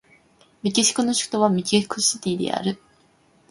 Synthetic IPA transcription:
mʲikʲiɕi̥kɯnoɕi̥kɯ̥t̪oβamʲikʲikɯɕit̪ʲiːd̪e̞̰a̰ɾɯ̟

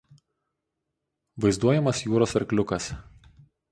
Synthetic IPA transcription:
ʋɐɪzd̪uɔjɛmɐsjuːɾoːsɐɾklʲʊkɐs

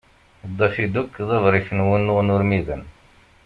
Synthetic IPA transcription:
d̪ˤːɑfid̪ukːðˤəvɾˤifənwənːʊʁnʊɾmiðən

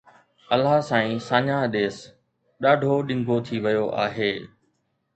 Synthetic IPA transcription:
ɐlaːsãːĩːsãːɲãːɗ̪eːs | ɗaːɖʱoɗɪ̃ŋɡʱot̪ʰiʋɪjoʔa̰ːɦeː

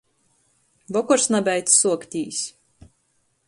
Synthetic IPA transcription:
bɔkɔɾsnabʲɛjt̪ssuɔkt̪ʲiːsʲ

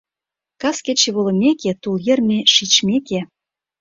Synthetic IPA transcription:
kɑsket͡ɕeβolŏmʲeket̪uljĕrmʲeʃit͡ɕmʲeke

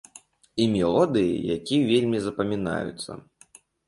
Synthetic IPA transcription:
imʲɛlˠɔd̪ɨjḭja̰kʲivʲelʲmʲizɐpɐmʲina̰jṵt̪sːɐ̰

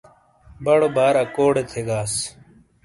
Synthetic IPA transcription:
bəɽobʱaːɾaːkoːɽeːt̪ʰeːɡaːs

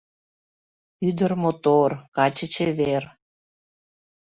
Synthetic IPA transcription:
yd̪ərmot̪orkɑt͡ɕət͡ɕeβer

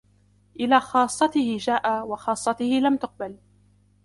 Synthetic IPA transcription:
ʔɪlaːxɑːsˤːɑt̪ɪhɪʒaːʔawɑxɑːsˤːɑt̪ɪhɪlamt̪ʊq̚bal

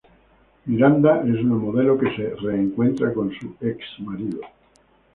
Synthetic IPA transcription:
miɾand̪aʔesunamoðelokese̞re̞ːŋkwe̞nt̪ɾakõ̞nsueksmaɾiðo

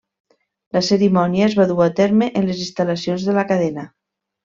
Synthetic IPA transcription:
ləsəɾimɔniaezβaðuat̪ɛɾmeʔenlezinst̪alasionzðəlakaðɛnə

